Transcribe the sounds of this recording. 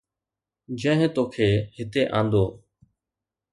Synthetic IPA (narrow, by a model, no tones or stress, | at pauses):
d͡ʒə̃ɦɪ̃t̪oːkʰeːhɪt̪eːʔã̰ːnd̪oː